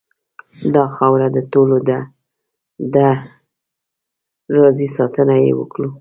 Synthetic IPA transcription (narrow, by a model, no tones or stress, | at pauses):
d̪ɑxɑwɾad̪ət̪olod̪a | d̪a | ɾɑzisɑt̪ənajḛwə̰kɽu